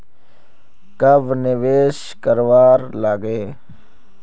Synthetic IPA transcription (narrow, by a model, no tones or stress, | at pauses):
kɐbnɪʋeːʃ | kəɾwaːɾlaːɡeː